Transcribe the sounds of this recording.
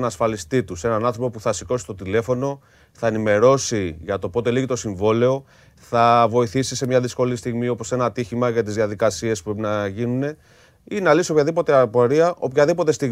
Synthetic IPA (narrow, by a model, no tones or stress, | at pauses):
nɐsfɐlist̪it̪use̞nɐnɐ̃nθɾo̞po̞puθɐsiko̞si̥st̪o̞t̪ile̞fo̞no̞ | θɐenime̞ɾo̞siʝɐt̪o̞po̞t̪e̞liɣit̪o̞siɱvo̞le̞o̞ | θɐvo̞iθisisemɲɐðisko̞list̪iɣmio̞po̞se̞nɐt̪içimɐʝɐt̪izðiɐðikɐsie̞spupɾepinɐʝinune̞ | inɐlisio̞pçɐðipo̞t̪e̞ɐpo̞ɾiɐʔo̞pçɐðipo̞t̪e̞st̪iɣ